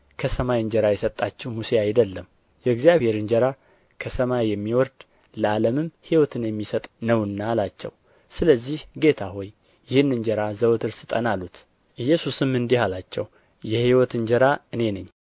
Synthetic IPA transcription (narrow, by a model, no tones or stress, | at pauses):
kʰəsəmajɨnd͡ʒəɾajɛsət̪ʼːat͡ʃːɛwmuseajd̪əlːəm | jɛːɡzijaβhe̞ɾɨnd͡ʒəɾa | kʰəsəmajːɛmːiwɔɾd̪ | ləaləmɨmhiwɔt̪ʰɨnjɛmːisət̪ʼnəwɨnːalat͡ʃːɛ̰w | sɨləzːihɡe̞t̪ʰaho̞jː | ɪhɨnːɨnd͡ʒəɾazəwt̪ʰɨɾsɨt̪ʼənalut̪ | ʔɨjɛsusɨmːɨnd̪ihalat͡ʃːɛw | jɛhiwɔt̪ɨnd͡ʒəɾaɨne̞nɨɲː